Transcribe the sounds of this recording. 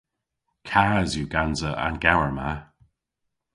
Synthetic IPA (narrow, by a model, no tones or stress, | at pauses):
kʰaːzjuɡanzəʔa̰nɡawəɹma